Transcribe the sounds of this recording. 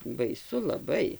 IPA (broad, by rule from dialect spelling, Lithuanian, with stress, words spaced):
bɐɪˈsʊ lˠɐˈbɐɪ